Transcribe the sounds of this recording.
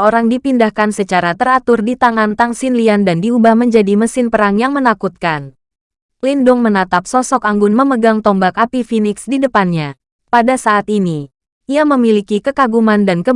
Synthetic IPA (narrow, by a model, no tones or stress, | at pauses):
oɾaŋdipindahkansət͡ʃaɾat̪əɾat̪ʊrdit̪aŋant̪aŋsɪnliandandiubahməɲd͡ʒadiməsɪnpəɾaŋjaŋmənakut̪̚kan | lindʊŋmənat̪ap̚sɔsɔkaŋɡʊnməməɡaŋt̪ɔmbakapifinɪksdidəpanɲa | padasaʔːt̪ini | ʔiaməmilikikəkaɡumandankə